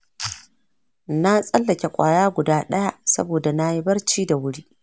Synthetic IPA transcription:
na˦sʼɐ˦lːɐ˨kʲe˨kʷʼa̰ː˨jaː˦ɡʷʊ˨daː˦ɗɐ˦ja˦˨sɐ̰˦boː˨da˨na˦ji˦bɐ˦rt͡ʃiː˦da˨wʊ˦ɽiː˦

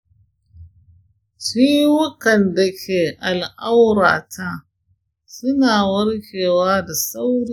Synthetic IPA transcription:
ʃiː˦wʊ˦kɐ˨nda˨kʲʰeː˨ʔa˨lʔa˦wɾa̰ː˨tʰa˦ | sʊ˦naː˨wɐ˦ɽkʲeː˨waː˦da˨sa˦wɽi˦

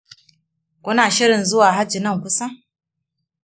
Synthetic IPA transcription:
kʷʊ˦naː˨ʃɪ˦ɾɪ˨nzʊ˦waː˨ɦa˦d͡ʒi˨nɐ˦˨ŋkʷʊ˦sa˦

